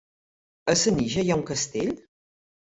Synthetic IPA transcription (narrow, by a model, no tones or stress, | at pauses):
əsəniʒɐjaw̃kɐst̪el